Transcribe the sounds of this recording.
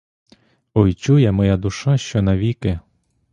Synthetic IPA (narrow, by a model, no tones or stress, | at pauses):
ɔjt͡ʃujɛmɔjad̪ʊʃɑʃt͡ʃɔnɐʋʲikɪ